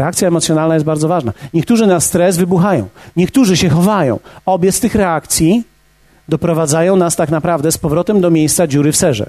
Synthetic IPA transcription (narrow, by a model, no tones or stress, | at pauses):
ɾɛakt̪sʲjaɛmɔt̪sʲjɔnalnajɛsbaɾd̪zɔvaʐnaɲɛk̚t̪uʐɘnast̪ɾɛzvɘbuxajɔ̰̃w̃ɲɛkt̪uʐɘɕɛxɔvajɔ̰̃w̃ɔbʲjɛst̪ɘxɾɛak̚t̪sʲji | d̪ɔpɾɔvad̪zajɔ̃w̃nast̪aknapɾavd̪ɛspɔvɾɔt̪ɛmd̪ɔmʲjejst̪sad͡ʑuɾɘfsɛʐɛ̰